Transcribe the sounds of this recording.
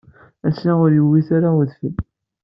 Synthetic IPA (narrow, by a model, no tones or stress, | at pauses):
æsaʁʊɾjəwːiθaɾaəðfəl